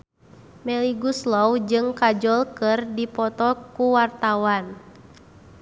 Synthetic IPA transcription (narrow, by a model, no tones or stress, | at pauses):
mɛliɡuslɔwd͡ʒɨŋkad͡ʒɔlkɨrdipɔt̪ɔkuwart̪awan